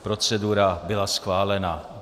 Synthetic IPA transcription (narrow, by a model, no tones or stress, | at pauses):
pɾo̞t͡sɛduɾabɪlasxvaːlɛna